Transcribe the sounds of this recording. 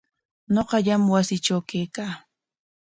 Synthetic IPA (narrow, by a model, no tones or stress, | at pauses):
ɲoqɑʎamwasɪʈ͡ʂawkejkaː